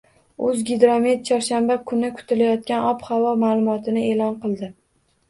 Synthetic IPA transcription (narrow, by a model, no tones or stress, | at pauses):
ʊzɡʲɪd̪ɾomet̪̚t͡ʃʰɒɾʃanbakʰʊnɪkʰʊ̥t̪ʰɪlajɒt̪̚kʲanɒphavɒmaːlˠʊmɒt̪ʰɪnɪe̞lɒnqʰɨlˠd̪ɪ